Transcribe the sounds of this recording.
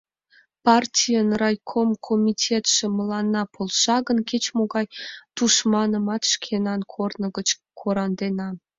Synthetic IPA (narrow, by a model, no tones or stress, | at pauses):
pɑrtʲijənrɑjkʰomkʰomʲitʲʰet̪ʃĕmə̆lˠɑnːɑpʰolˠʃɑɡə̆nkʲet͡ɕmoɡɑjt̪uʃmɑnɤ̆mɑt̪ʃkʲʰenɑnkʰornɤ̆ɡə̆t͡ɕkʰoɾɑnd̪enɑ